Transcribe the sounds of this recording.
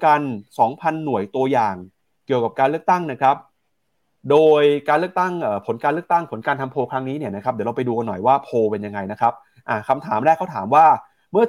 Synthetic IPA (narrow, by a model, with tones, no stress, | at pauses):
ka˧nsɔː˩˦ŋpʰa˧nːu˨˩˦əjt̪u˧ɐjaː˨˩ŋ | ki˨˩əwka˨˩p̚kaː˧lɯ˥˩ək̚t̪a˥˩ŋna˦˥kʰɾa˦˥p̚ | doː˧jkaː˧nlək̚t̪a˥˩ŋʔəː˨˩pʰo˩˦nkaː˧nlɯ˥˩ək̚t̪a˥˩ŋpʰo˩˦nkaː˧nt̪ʰa˧mpʰoː˧kʰɾa˦˥ŋniː˦˥ni˥˩na˦˥kʰɾa˦˥d̪iː˩˦ɾlpa˧jduː˧ka˧nːɔ˨˩jwaː˥˩pʰoː˧pe˧nja˧ŋːa˧jna˦˥kʰɾa˦˥p̚ | ʔa˨˩kʰa˧mt̪ʰaː˩˦mɾaː˥˩kʰa˥˩t̪ʰaː˩˦mwaː˥˩ | mɯ˥˩ɐ